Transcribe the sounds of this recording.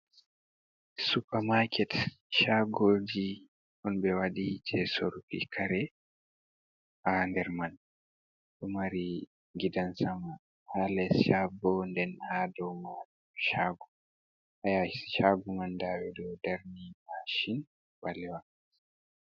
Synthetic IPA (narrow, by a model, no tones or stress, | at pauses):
supamakʰɛt | ʃaɡod͡ʒi | ʔɔnbɛwaɗid͡ʒɛsoɾukḭkʰaɾɛ | ʔandɛɾman | ɗɔmaɾi | ɡidansama | halɛsʃabɔndɛnhadɔma | ʃaːɡu | ʔajaʃaɡumandawɛdɔdaɾniaʃin | walɛwa